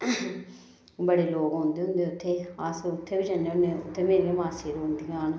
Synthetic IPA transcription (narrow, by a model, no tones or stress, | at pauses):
bəɽeːloːɡɦõːnd̪eːɦʊ̃nd̪eːʊt̪ʰːeːaːsʊt̪ʰːeːbid͡ʒənːeeʊt̪ʰːeːmeːɾiemaːsiːɾʊ̃nd̪iːɡaːn